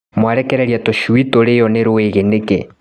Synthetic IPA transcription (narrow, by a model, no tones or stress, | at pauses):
mwaɾɛkɛɾɛɾiatɔʃuwitɔɾejɔneɾoweɣenekɛ̰